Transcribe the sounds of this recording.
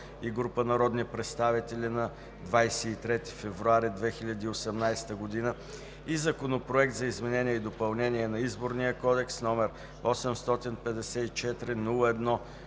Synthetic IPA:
iɡɾupənɐɾɔd̪nipɾɛt̪st̪avit̪ɛlʲinɐ | d̪vajsɛːt̪ɾɛt̪i̥fɛvɾʊaɾid̪vɛxiʎʲəd̪iːosɛmnajst̪əɡod̪inə | izɐkonopɾoɛk̚t̪zɐizmɛnɛniɛid̪opɐlˠnɛniɛnɐizboɾnijəkɔd̪ɛksnɔmɛɾ | ɔsɛmst̪ɔt̪inpɛd̪ɛsɛit͡ʃɛt̪ɾinulˠəɛd̪nɔ

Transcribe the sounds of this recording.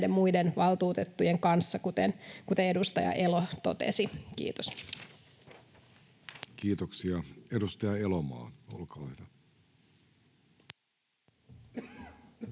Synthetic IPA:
de̞mmujdenʋɑlt̪uːt̪et̪ːujeŋkɑnsːɑkut̪ḛnkut̪ee̞dust̪ɑjɑ̰ʔe̞lot̪o̞̰t̪ḛsikḭːt̪os | kiːt̪oksiɑedust̪ɑjɑelomɑ̰ːo̰lkɑlɑhd̪ɑ

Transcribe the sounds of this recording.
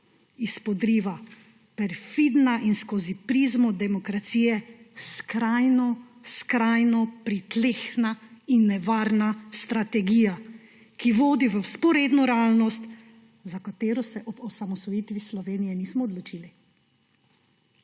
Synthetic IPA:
ispɔd̪ɾiːʋa | pɛɾfid̪naʔinskoːzipɾiːzmɔd̪ɛmɔkɾat̪siːjɛskɾajnɔskɾajnɔpɾit̪leːxnainːɛʋaːɾnast̪ɾat̪ɛɡiːja | kiʋoːd̪iʋəspɔɾeːd̪nɔɾɛaːlnɔst̪ | zakat̪eːɾɔsɛʔɔbɔsamɔsɔjiːt̪ʋislɔʋeːnijɛniːsmɔːd̪lɔt͡ʃiːli

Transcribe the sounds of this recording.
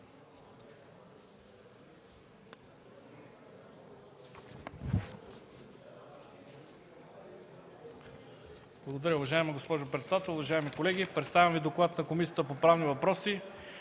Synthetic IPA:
b̥lˠɐɡod̪ɐɾʲəʊvɐʒaɛmɐɡospɔʒopɾɛt̪sɛd̪at̪ɛlˠʊvɐʒaɛmikolɛɡʲipɾɛt̪st̪avʲɐmvid̪oklˠat̪nɐkomisijət̪əpopɾavnivɐpɾɔsi

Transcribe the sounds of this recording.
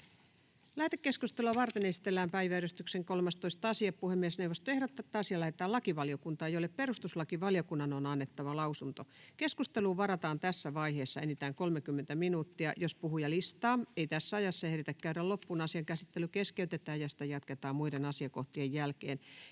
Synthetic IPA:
læht̪ekːeskust̪eluɑʋɑrt̪enesi̥t̪elːæːmpæiʋæyɾyst̪ykseŋkolmɑst̪oist̪ɑsiɑppuhemːiesnewʋost̪oehɾot̪ːɑt̪ːɑːɑsiɑlæhet̪ːˑæːlɑkiʋɑlijokunt̪ɑːejolepperust̪uslɑkiʋɑljokunːɑnonɑnːet̪ːɑʋɑlɑusunt̪okeskust̪eluːʋɑɾɑt̪ɑːnt̪æsːæʋɑiheːsːɑenit̪æːŋkolmekymːent̪æminuːt̪ːiɑjospuhujɑlist̪ɑːeijt̪æsːæɑjɑsːɑeɾit̪ækkæyɾællopːunɑsiɑŋkæsit̪ːelykeskeyt̪et̪æːjjɑsi̥t̪æjɑt̪ket̪ɑːmmuidenɑsiɑkoht̪iejjælkḛːn

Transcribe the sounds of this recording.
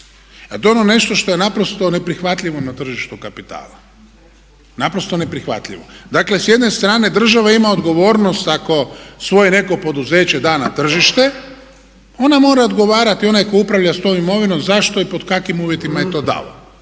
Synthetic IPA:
at̪onone̞ʃt̪o̞ʃt̪o̞jenapɾost̪o̞ne̞pɾixʋat̪ʎʲiʋo̞nat̪r̩ʒiʃt̪ukapit̪a̰ːla | napɾo̞st̪o̞ne̞pɾixʋa̰t̪lʎʲiʋod̪akle̞sje̞d̪ne̞st̪ɾaːne̞d̪r̩ʒaʋaimaod̪ɡo̞ʋo̞ːɾnost̪ako̞sʋo̞jene̞ko̞po̞d̪uze̞ːt͡ɕe̞d̪aːnat̪r̩ʒiʃt̪e̞ | o̞namo̞ːɾaod̪ɡo̞ʋaːɾat̪io̞najko̞upɾaʋʎast̪o̞ːmimo̞ʋinomzaʃt̪o̞ipo̞d̪kakʋimuːʋje̞t̪imaje̞t̪o̞ːd̪a̰lo̰

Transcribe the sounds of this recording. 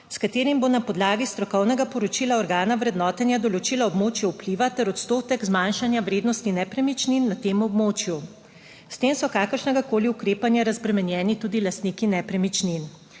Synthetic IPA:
skat̪eːɾimbonapɔd̪laːɡist̪ɾɔkɔwnɛɡapɔɾɔt͡ʃilaɔɾɡaːnaʋɾɛd̪nɔːt̪ɛnjad̪ɔlɔt͡ʃiːlaɔbmoːt͡ʃjɛwpliʋat̪ɛɾɔt̪st̪oːt̪ɛɡzmanʃanjaʋɾeːd̪nɔst̪inɛpɾɛmit͡ʃninːat̪eːmɔbmoːt͡ʃju | st̪eːmsɔkaːkəɾʃnɛɡakoːliukɾeːpanjaɾazbɾɛmɛnjɛːnit̪uːd̪ilast̪nikinɛpɾɛmit͡ʃnin

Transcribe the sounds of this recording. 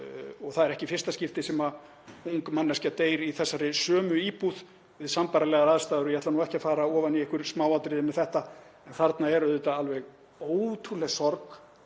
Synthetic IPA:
ɔɣθaðɛɾɛhcɪfɪr̥st̪ascɪft̪ɪsɛma | uŋkmɛnːascat̪eːjɾiθɛsːaɾɪsœːmʏiːpuð̥ | vɪðsampaɾalɛɣaɾaðst̪aːðʏɾʏjɛhat̪lanuːɛhcafaːɾaɔːvaniɛhkʏɾ̥smawat̪ɾɪðɪmɛðθɛht̪a | ɛnθaɾt̪naɛɾʏðeːt̪aalvɛɣ | oːwt̪ʰulɛɣsɔɾk

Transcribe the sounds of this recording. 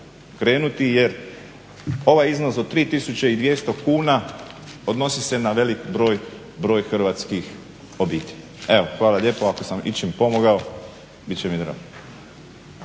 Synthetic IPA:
kɾe̞ːnut̪ije̞ɾ | o̞ʋajiznosod̪̚t̪ːɾiːt̪isut͡ʃeid̪ʋje̞st̪okuːnao̞d̪no̞sise̞naʋe̞likbɾo̞ːj | bɾo̞ːjxr̩ʋat̪skix | o̞biːt̪ʲeʎae̞ʋoxʋaːlaʎje̞ːpoako̞samḭt͡ʃimpo̞moɡao | bitt͡ɕemid̪ɾa̰ːɡo

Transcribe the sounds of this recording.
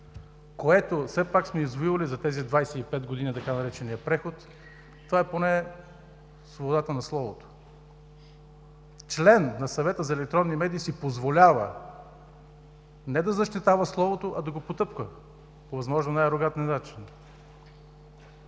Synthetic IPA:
koɛt̪ofsɛpaksmɛizvoivɐlizɐt̪ɛzid̪vajsɛipɛd̪̚ɡod̪init̪ɐkanɐɾɛt͡ʃɛnijəpɾɛxot̪ː | ovaɛponɛ | svobod̪at̪ənɐslˠɔvot̪o̥ | t͡ʃlɛnːɐsɐvɛt̪əzɐɛlɛk̚t̪ɾɔnːimɛd̪iːsipozvolʲavə̰ | nɛd̪ɐzɐʃt̪it̪avəslˠɔvot̪oʔɐd̪ɐɡopot̪ɤpkvə | povɐzmɔʒnonajɾoɡat̪ninat͡ʃin

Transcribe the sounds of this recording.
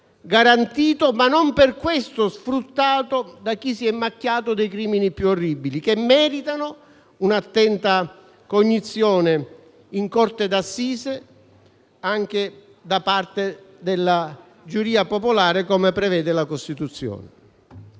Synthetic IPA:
ɡaɾant̪iːt̪omanːomperkwest̪osfɾut̪ːaːt̪od̪ak̟ːisiɛmːakːjaːt̪od̪ejkɾiːminipjuorːibilikemːɛːɾit̪anʊ | unat̪ːɛnt̪a | koɲːit̪sːjɔːne | iŋkort̪ed̪asːiːse | aŋk̟e | d̪apart̪ed̪elːa | d͡ʒuɾiːapopolaːɾekɔmepɾɛvɛːd̪ɪlakost̪it̪ut̪sːjɔ̰ːnɪ

